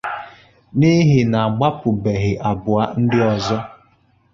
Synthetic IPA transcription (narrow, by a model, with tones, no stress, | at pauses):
ni˦ɦɪ˨na˨a˨ɡ͡ba˦pʊ˨be˨ɦɪ˨ʔa˨bʊ˨a˦n̩˦dɪ˦ɔ˨zɔ˦